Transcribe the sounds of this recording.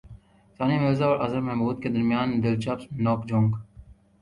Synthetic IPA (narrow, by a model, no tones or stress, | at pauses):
saːnimeːzaɔːɾʔɐ̰zəmmɛɦmbuːd̪̚ked̪əɾmijaːnd̪ɪlt͡ʃəpsnoːkd͡ʒõŋɡ